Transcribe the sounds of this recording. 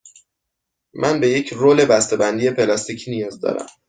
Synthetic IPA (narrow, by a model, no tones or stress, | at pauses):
mænbe̞je̞cʰroːle̞bæst̪e̞bænd̪ije̞pʰe̞lɒst̪icʰiːnijɒːzd̪ɒ̰ɾæ̰m